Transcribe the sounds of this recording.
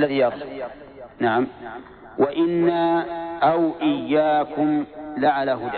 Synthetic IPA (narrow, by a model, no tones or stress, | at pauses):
lːaðiːjɑɾs | naʕam | wʔaʔɪnːaʔawʔɪjːaːkʊmlaʕalaɦʊd̪